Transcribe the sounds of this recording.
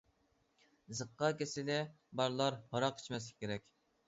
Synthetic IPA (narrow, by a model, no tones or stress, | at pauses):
zəqːɑkʲesɪlɛ | bɑɾlˠɑɾhɑɾɑqʰi̥t͡ʃʰmɛs̬ki̥kʲeɾɛkʲ